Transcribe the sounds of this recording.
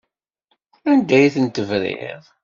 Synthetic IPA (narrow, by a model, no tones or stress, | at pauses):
ænd̪æjiθənt̪əvɾḭʁˤ